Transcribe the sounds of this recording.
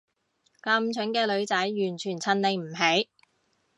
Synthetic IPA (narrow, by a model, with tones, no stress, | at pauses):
kɐ˧mt͡ʃʰɵ˨˥nkɛː˧lɵ˨˧ɥt͡sɐ˨˥jːyː˨˩nt͡ʃʰyː˨˩nt͡sʰɐ˧nle˨˧jm̩˨˩ɦe˨˥j